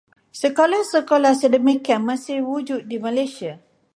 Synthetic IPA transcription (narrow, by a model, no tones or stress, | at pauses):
səkolahsəkolahsədəmikanmãsɪhwud͡ʒut̚dimãlajsia